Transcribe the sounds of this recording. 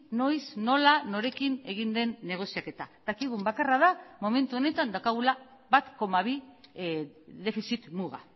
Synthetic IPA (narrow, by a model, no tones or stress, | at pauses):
no̞jsno̞lano̞ɾe̞kine̞ɣ̞ind̪e̞nːe̞ɣ̞o̞siake̞t̪ad̪akiɣ̞umbakarað̞amo̞me̞nt̪uo̞ne̞t̪and̪awkaɣ̞ulaβat̪ko̞maβ̞i | ðe̞fisit̪muɣa̰